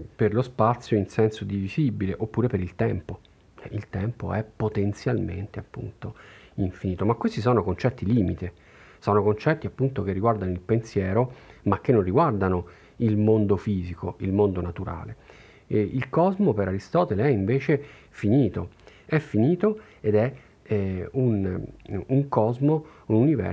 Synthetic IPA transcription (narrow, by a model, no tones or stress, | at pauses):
perlospat̪sːjoinsɛnsod̪ivizibileʔopːuːɾepeɾilt̪ɛmpo | ɛilt̪ɛmpo̰ɛpːot̪ent̪sjalmḛnt̪eapːṵnt̪oiɱfiniːt̪omakwest̪is̬ɔːnokont͡ʃɛt̪ːiliːmit̪e | sɔːnokont͡ʃɛt̪ːiapːunt̪ok̟erːiɡward̪anoilpensjɛːɾomak̟ːenːonriɡward̪ano | ilmond̪ofiːzikoilmond̪onat̪uɾa̰ːle | ilkɔzmopeɾaɾist̪ɔːt̪eleɛiɱveːt͡ʃe | finiːt̪o | ɛfːiniːt̪o | ed̪ɛ | un | uŋkɔzmoununivɛ̰